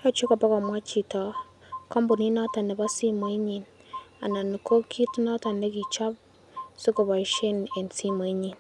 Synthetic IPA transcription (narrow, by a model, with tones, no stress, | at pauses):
ha˦t͡ʃo˦ka˨pa˦ka˨mwa˦t͡ʃi˨ta˨ | ka˦mbu˨ni˦na˦ta˨ne˨βa˦si˦mwe˦ɲi˨n | a̰˨na˨ni˨ko˦kʰi˦ti˦na˦ta˨ne˦ki˨t͡ʃa˦β | si˦ko˨βa˨i˨ʃe˦ne˨nsi˦mwe˨˦ɲi˨n